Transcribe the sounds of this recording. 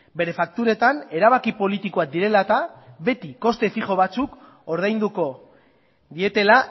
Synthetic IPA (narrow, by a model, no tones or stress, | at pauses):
be̞ɾe̞fak̚t̪uɾe̞t̪ane̞ɾaβakipo̞lit̪iko̞ad̪iɾe̞lat̪aβe̞t̪iko̞st̪e̞fiʝo̞β̞at͡suk | o̞ɾð̞ajnd̪uko̞ | d̪ie̞t̪e̞la